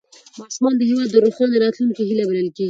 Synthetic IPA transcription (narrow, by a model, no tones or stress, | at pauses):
mɑsumɑnd̪əɦewɑd̪ːəɾoxjɑneɾɑt̪lunkeɦilabaləlkeɡi